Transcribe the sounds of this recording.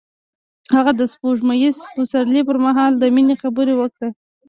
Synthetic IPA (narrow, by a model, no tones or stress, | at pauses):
haɣad̪əspoʐmajispusaɾlip̬əɾmaɦɑld̪əminexabəɾewəkɽa